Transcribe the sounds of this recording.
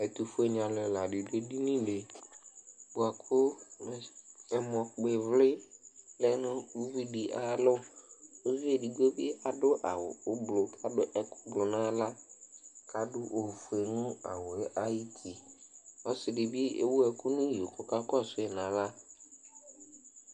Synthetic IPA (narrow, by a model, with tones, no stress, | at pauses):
ɛ˨t̪u˨fʊ˦e˨ɲ˨ã˨lɛ˨la˨ɖɪ˨de˦di˦nĩ˦ɖe˨ | bu˨a˨kʰʊ˦˨ | ɛ˨mɔ˨k͡pe˨vlɪ˦lɛ˦nʊ̃˦u˦vu˦di˨ʔa˨˦lʊ˦o˦vi˦e˨di˨ɡo˦bi˦a˨dʊ˦ʔa̰˨wʊ̰˨ʊ˦blʊ˨kʰa˦dʊ˦ʔɛ˨kʊ˦blʊ˨nã˦la˦ | kʰa˦dʊ˦ʔo˨fu˨e˨nʊ̃˦a̰˨wʊ˨˦ʔa˦ji˦tʰi˨ɔ˦sɪ˨dɪ˨bi˦ḛ˦wu˦ɛ˨ku˦nʊ̃˦jo˨kʊ˨ka˦kɔ˦˨sʊ˦ɛ˨nã˨la˦